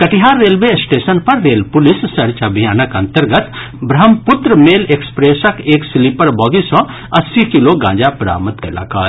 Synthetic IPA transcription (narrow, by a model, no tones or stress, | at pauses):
kɐʈiɦaɾːeːlbesʈeːsənpɐɾːeːlpulissɐɾt͡ʃabʱijaːnəkə̃nt̪əɾɡət̪ | bɾɐɦəmpʊt̪ɾəmeːlekspɾeːsəkeːksilipəɾbɔːɡisɔ̃ | ɐsːikiloɡã̰ːd͡ʒapɾa̰ːmət̪kɐla̰ːkaː